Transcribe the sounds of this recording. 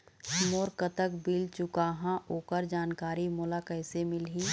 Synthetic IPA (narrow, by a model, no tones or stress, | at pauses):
moːɾkət̪əkbilt͡ʃʊkaːɦãoːkəɾd͡ʒaːnkaːɾimʊlakəɪsemɪlɦiː